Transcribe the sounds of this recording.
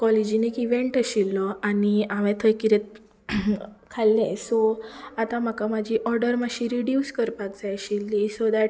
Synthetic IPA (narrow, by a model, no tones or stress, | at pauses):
kɔlid͡ʑinekiʋeɳʈəɕilːɔʔaniaʋɛ̃t̪ʰəjkiɾet̪̚ | kʰalːɛ̃sɔat̪ãm̤akamad͡ʑʱiʔɔɾɖəɾmaɕiɾiɖjuskəɾpakt͡saəɕilːisod̪æʈ̚